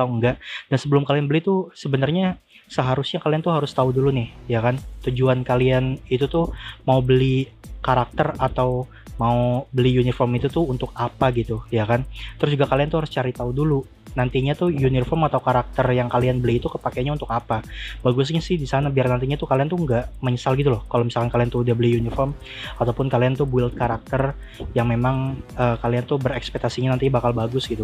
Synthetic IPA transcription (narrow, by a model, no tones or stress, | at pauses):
auŋɡaʔd̥ansəbəlʊmkalianbəlɪt̪ʊsəbənarɲa | səɦaɾʊsɲakaliant̪uɦaɾʊst̪audulunɪhjakant̪ud͡ʒuankalianit̪ut̪ʊhmaubəlikaɾak̚t̪ərat̪aw | maubəlijunifɔmit̪ut̪ʊunt̪ʊk̚apaɡit̪ujakant̪əɾʊs̬d͡ʒuɡakaliant̪uhaɾʊst͡ʃaɾit̪audulu | nant̪iɲat̪ʊhjunirfɔrmat̪awkaɾak̚t̪ərjaŋkalianbəliːt̪ukəpakaanɲaunt̪ʊkapabaɡʊs̬ɲasɪhdisanabiarnant̪iɲat̪ukaliant̪uəŋɡaʔməɲəsalɡit̪ulɔhkalomisalkankaliant̪uudahbəlijunifɔrm | at̪awpʊnkaliant̪ʊbwɪlt̪̚kaɾak̚t̪ər | jaŋmemaŋʔəkaliant̪ʊbəɾɛkspɛk̚t̪asiɲanant̪iabakalbaɡʊsɡit̪u